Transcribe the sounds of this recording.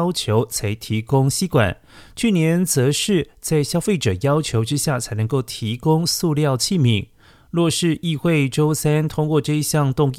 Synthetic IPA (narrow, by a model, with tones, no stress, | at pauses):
ʊt͡ɕʰjo˧˥ʊt͡sʰa˧˥ɪt̪ʰi˧˥kʊ˥ŋɕi˥kwa̰˨˩˦n | t͡ɕʰy˥˩njɛ˧˥nt͡sɤ˧˥ʂɻ̩˥˧t͡sa˥˩ɪɕjɑ˥ʊfe˥˩ɪʈ͡ʂɤ˨˩jɑ˥ʊt͡ɕʰjo˧˥ʊʈ͡ʂɻ̩˥ɕja˥˩t͡sʰa˧˥nə˧˥ŋko˥˩ʊt̪ʰi˧˥kʊ˥ŋsu˥˧ljɑ˥˧ʊt͡ɕʰi˥˩mi˧˥ŋ | lwɔ˥˧ʂɻ̩˥˧ʔi˥˧xwe˥˩ɪʈ͡ʂo˥ʊsa˥nt̪ʰʊ˥ŋkwɔ˥˧ʈ͡ʂɤ˥˧i˥˧ɕjɑ˥˧ŋt̪ʊ˥˧ŋ